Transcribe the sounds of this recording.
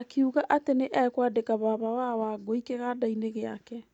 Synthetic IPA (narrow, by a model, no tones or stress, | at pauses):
keuɣaʔateneʔɛkwadekaβaβawawaɡoikeɣadaineɣeakɛ